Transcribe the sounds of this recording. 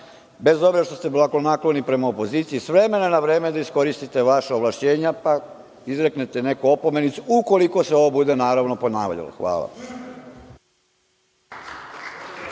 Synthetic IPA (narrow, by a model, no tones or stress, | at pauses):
be̞zo̞bɾeʃt̪o̞st̪e̞blˠaklonaklonipɾe̞maopo̞ziːt̪siisʋɾe̞me̞nonaʋɾe̞ːmed̪aisko̞ɾist̪it̪e̞ʋaʃaoʋlˠaʃt͡ɕe̞ːɲapa | izɾeknet̪e̞ne̞koopo̞me̞nit̪suuko̞liko̞seo̞ʋobud̪e̞naːɾaʋno̞po̞naːʋʎa̰lo̰xʋa̰ːlˠa̰